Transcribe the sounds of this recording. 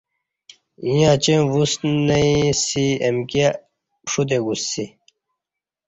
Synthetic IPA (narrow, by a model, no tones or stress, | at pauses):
ijãːt͡ɕevusnɐisiemka | ʂut̪̬eɡusːi